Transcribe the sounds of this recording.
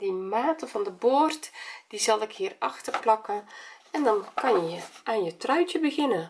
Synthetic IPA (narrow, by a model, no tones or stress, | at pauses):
dimaːtəvɑndəboːrtd̥izɑlˠɪkhiːərɑxtərplɑkəɛndɑnkʰɑnjəjəʔaːnjətrœɥtəbəɣɪnə